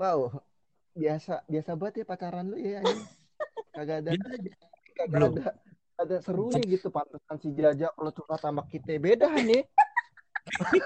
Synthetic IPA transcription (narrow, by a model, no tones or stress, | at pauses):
wao | biasabiasabaət̪̚japat͡ʃaɾanlojajaja | kaɡaːda | kaɡada | adasəɾunɪɡit̪upant̪əsansid͡ʒad͡ʒakalot͡ʃusat̪ambakːit̪abedaɦnɪ